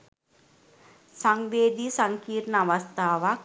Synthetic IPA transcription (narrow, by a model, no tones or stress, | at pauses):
saŋʋeːd̪isɐŋkiːɾɳəɐʋɐst̪ʰaːʋɐk̚